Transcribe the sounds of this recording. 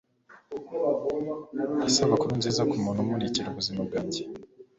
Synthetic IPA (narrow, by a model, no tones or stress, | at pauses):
isaβakuɾunziːzakumunumuniciɾuβuzimab̚ɡaɟi̥